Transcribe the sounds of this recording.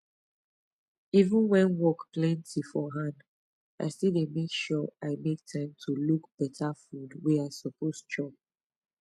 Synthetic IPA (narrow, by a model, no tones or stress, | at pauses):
ivũnwɛ̃nwɔkplɛ̃ntʰifɔɦãnd | ʔa̰ɪstidemekʃɔaɪmek̚tʰãɪ̃mtʰulukb̥ɛtʰafudweaɪsɔpʰost͡ʃʰɹɔb̚